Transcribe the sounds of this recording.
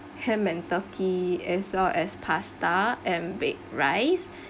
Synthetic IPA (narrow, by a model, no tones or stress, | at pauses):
hɛ̃mɛ̃ntɔkʰiɛswɛlɛspʰastaɛ̃nbek̚ɹaɪs